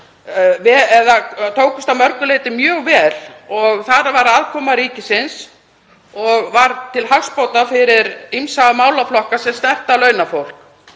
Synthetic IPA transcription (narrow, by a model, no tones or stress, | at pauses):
vɛɛðat̪ʰoːwkʏst̪amœɾkʏleːjt̪ɪmjœːɣvɛːlɔɣθaɾavaɾaːðkʰɔːmaɾiːcɪsɪns | ɔɣvaɾt̪ʰɪlɦawspowt̪afɪɾɪɾimsaamaːwlaflɔhkasɛmsnɛht̪alœːɥnafowl̥k